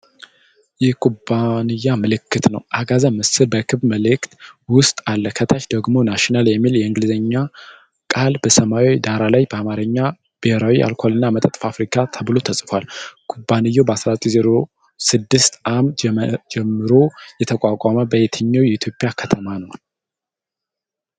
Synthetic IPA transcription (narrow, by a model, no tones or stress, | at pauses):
jɛkʼubanɨjːamɨlɨkːɨt̪nə̰wʔaɡazəmɨsɨlbəkʰɨβməlɨkt̪wʊst̪ʼalːəkʰət̪ʰaʃd̪əɡmo̞naʃinaljɛmːiljɛɨŋɡlɨzəɲːa | kʼalbəsəmawid̪aɾalajbəamaɾəɲːa | b̥ɨheɾawiʔa̰lkʷʰalɨnːamət̪ʼət̪ʼfafɾikʰat̪ʰəβɨlo̞t̪ʰəsʼfwalɡ̥ubanɨjːobəasɾat͡sʼizeɾo̞ | sɨd̪ːɨst̪ʔamd͡ʒɛmːɨɾo̞jɛt̪ʰəkʼakʼaməbəjet̪ʰəɲːawjɛit̪ʰjo̞pʼːjakʰət̪ʰəmanəw